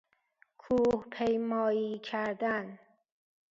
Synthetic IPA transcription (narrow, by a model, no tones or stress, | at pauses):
kʰuhpʰejmɒːjiːkʰæɾd̪æn